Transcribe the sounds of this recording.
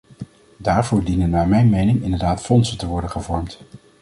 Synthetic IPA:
daːɹvʊːɹdinənːaːɹmɛjnmejnɪŋɪndəɹdaːtfɔnsəntəʋɔɹdənχəvɔɹmt

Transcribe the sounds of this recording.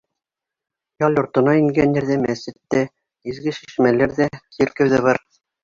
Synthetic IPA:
jɑlʲjŏɾt̪ɤ̆nɑiŋɡænjɘ̆ɾðæmæsɘ̆t̪ːæ | izɡɘʃi̥ʃmælæɾðækiɘ̆ɾkɘ̆wðæβɑɾ

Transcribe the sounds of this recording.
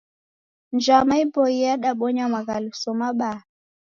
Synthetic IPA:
nd͡ʒamaibɔiaɗaɓɔɲamaɣalusɔmaɓa

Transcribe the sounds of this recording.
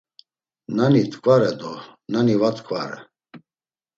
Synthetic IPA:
nanit̪ʼkʼvaɾɛd̪ɔnanivat̪ʰʼkʰʼva̰ɾɛ̰

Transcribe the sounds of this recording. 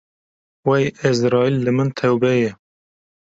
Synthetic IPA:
wɛjɪzɾɑːilːɨmɨnt̪ʰɛwbɛjɛ

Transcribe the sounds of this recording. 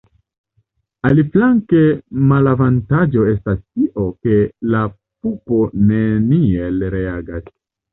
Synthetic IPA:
aliflaŋkemalavantad͡ʒo̞e̞stastiʔo̞ke̞la | pupo̞ne̞nie̞lɾe̞aɡas

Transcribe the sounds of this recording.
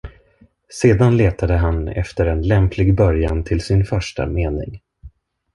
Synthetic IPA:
seːd̪anleːt̪ad̪əɦanɛ̰ft̪əɾɛnlɛmpʰlɪɡbœɾjant̪ʰɪlsɪnfœʂʈa̰meːnɪ̰ŋ

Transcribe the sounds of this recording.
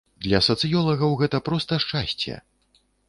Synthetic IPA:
d̪lʲɐsɐt̪sɨjɔlˠɐɣɐwɣɛt̪ɐpɾɔst̪ɐʂt͡ʂasʲt͡sʲɛ̰

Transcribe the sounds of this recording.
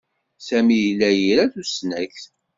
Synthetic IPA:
sæmijlːæjiɾæθusnæçθ

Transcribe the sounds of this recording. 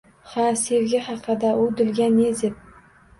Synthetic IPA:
hasevɡʲahɑqʰɨd̪aʔʊd̪ɪlɡʲaned̪ep̚

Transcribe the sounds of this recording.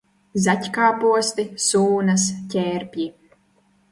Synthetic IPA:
zatʲkaːpuɔst̪isuːnɐscʲɛːɾpʲji

